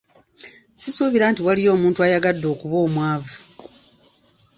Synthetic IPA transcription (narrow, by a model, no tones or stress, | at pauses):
sisuβiɾaːntiwalijo̞ːmuːntuajaɡadːo̞ːkuβo̞ːmwaːvu